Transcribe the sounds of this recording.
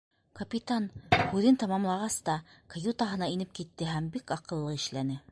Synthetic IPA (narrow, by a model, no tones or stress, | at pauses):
kɐpʲit̪ɑnhʉðɘnt̪ɑmɑmlˠɑʁɑst̪ɑkɐjut̪ɑɦɤ̆nɑinɘp̚kit̪ːɘɦæmbikɑqɤ̆lˠːɤɘ̆ʃlænɘ